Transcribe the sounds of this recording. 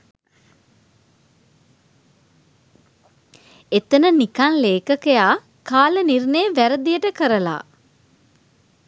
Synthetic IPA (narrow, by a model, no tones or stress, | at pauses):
et̪ənənikanleːkəkejaː | kaːlənirneʋæɾəd̪ijəʈəkəɾəla̰ː